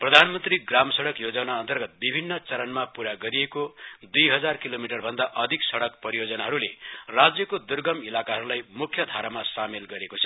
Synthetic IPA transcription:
prʌd̪ʱanmʌnt̪riɡramsʌɽʌkjod͡zʌnaʌnt̪ʌrɡʌt̪̚bibʱinːʌt͡sʌɾʌnmapuɾaɡʌɾiekod̪ujɦʌd͡zarkilomiʈʌrbʱʌnd̪aʔʌd̪ʱiksʌɽʌkpʌɾijod͡zʌnaɦʌɾulerad͡zjʌkod̪urɡʌmilakaɦʌɾulajmukʰjʌd̪ʱaɾamasamelɡʌɾekot͡sʰʌ

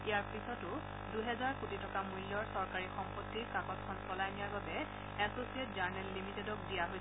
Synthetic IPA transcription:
ijaɹpisɔtʊ | duɦɛzaɹkutʰitɔkamujlːɔɹsɔɹkaɹixɔmpotːikakɔskʰɔnsɔlajnijaɹbabɛ | ɛsosiɛt̚zaɹnɛlːimitɛdɔk̚dijaɦoj

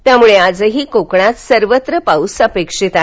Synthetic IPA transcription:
t̪jamuɭead͡zəɦiːkokɳat̪səɾʋət̪ɾəpausəpekʂit̪a

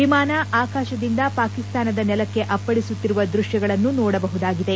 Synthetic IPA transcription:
imaːnɐʔaːkaːʃɐd̪ind̪ɐpaːkist̪aːnɐd̪ɐnɛlɐkːe̞ʔɐpːɐɽisut̪ːiɾuʋɐd̪ɾuʃjɐɡɐɭɐnːunɔːɽɐbɐɦud̪aːɡid̪e̞

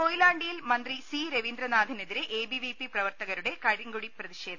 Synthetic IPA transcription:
kojilaːɳɖijilmɐnd̪risiːɾeʋind̪ɾɐnaːd̪ʱineðiɾeʔeːbiʋipiprɐʋɐrt̪ɐɣɐɾuɽe̞kɐɻiŋɡuɽiprɐðiɕe̞ːd̪ʰʱɐ

